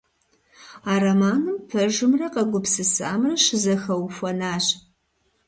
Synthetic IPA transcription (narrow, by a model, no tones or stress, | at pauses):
aːrɐmaːnɨmpʰɐʒɨmrɐqɐɡʷʊpsɨsa̰ːmrɐʃɪzɐxɐwfʷɔnaːɕ